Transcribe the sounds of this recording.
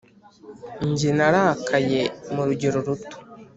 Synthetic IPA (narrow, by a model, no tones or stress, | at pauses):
ɲɟenaɾakʰaje̞muɾuɟeɾoɾuto̥